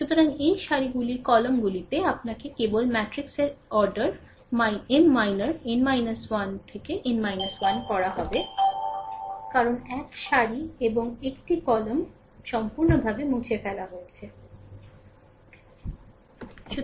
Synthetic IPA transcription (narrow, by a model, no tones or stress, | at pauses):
ʃut̪oɾaŋejʃaɾiɡuliɾkɔlomɡulit̪eap̚nakekebolmɛʈɾikseɾɔɾɖaɾ | maenmajnaɾenmajnaswant̪ʰekeʔenmajnaswankɔɽaɦɔbe | kaɾonɛkʃaɾieboŋekʈikɔlom | ʃɔmpuɾnobʱabemut͡ɕʰefɛlaɦojet͡ɕʰe | ʃu